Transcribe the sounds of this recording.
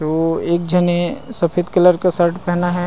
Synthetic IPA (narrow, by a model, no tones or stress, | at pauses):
oeːk̚d͡ʒʱɐnesɐpʰɪt̪kɐləɾkasəɾʈpɛɦnaɦɛ